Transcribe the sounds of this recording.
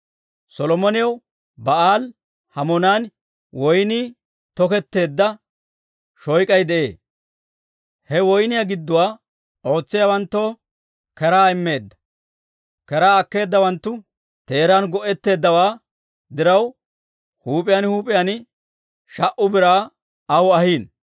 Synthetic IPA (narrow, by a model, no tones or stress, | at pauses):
sɔlɔmɔnɪjɐw | bɐʔaːl | hɐmɔnaːn | wɔjniː | t̪ɔkɛt̪ːe̞ːd̪ːɐ | ʃɔjkʼɐjd̪ɛʔe̞̰ː | hɛwɔjnɪjaɡɪd̪ːʊwaː | o̞ːt͡sːɪjawɐnt̪ːo̞ː | kɛɾaːɪmːe̞ːd̪ːɐ̥ | kɛɾaːɐkːe̞ːd̪ːɐwɐnt̪ːʊ | t̪e̞ːɾaːnɡɔʔɛt̪ːe̞ːd̪ːɐwaː | d̪ɪɾɐw | huːpʼɪjaːnhuːpʼɪjan | ʃɐʔʊbɪɾaː | ɐwɐhiːn